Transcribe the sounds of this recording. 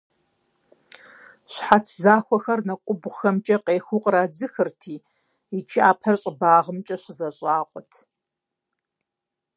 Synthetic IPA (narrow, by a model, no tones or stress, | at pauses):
ɕħat͡sʰzaːxʷɔxɐrnɐkʷʼʊbxɐmt͡ʃʼɐqeːxuqʼɾaːd͡zɨxɨrtʰiː | it͡ʃʰiaːpʰɐrɕʼɪbaːʁəmt͡ʃʼɐɕɪzɐɕʼaːqʷʼɔtʰ